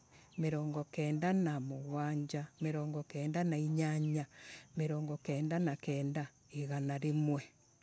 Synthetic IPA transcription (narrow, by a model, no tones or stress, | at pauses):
meɾɔːŋɡɔkɛːndanamoɣwaːɲd͡ʑameɾɔːŋɡɔkɛːndanaiɲaɲameɾɔːŋɡɔkɛːndanakɛːnda | eɣanaɾemwɛ